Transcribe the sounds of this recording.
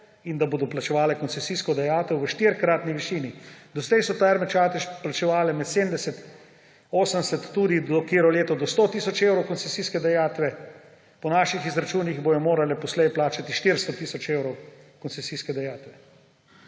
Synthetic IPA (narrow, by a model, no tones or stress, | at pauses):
ind̪aboːd̪ɔplat͡ʃɛʋaːlɛkɔnt̪sɛsiːskɔd̪ajaːt̪ɛwʋəʃt̪iɾkɾaːt̪niʋiʃiːnid̪ɔsd̪ɛjsɔt̪aːɾmɛt͡ʃaːt̪ɛʃplat͡ʃɛʋaːlɛmɛt̪seːmd̪ɛsɛt̪ | oːsənsɛt̪ːuːd̪id̪ɔkeːɾɔleːt̪ɔd̪ɔst̪oːt̪iːsɔt͡ʃewɾɔwkɔnsɛsiːskɛd̪ajaːt̪ʋɛ | pɔnaːʃixizɾat͡ʃuːniɣboj̪ɔmoːɾalɛpɔslɛjplaːt͡ʃat̪iʃt̪iɾst̪ɔt̪iːsɔt͡ʃewɾɔwkɔnt̪sɛsiːskɛd̪ajaːt̪ʋɛ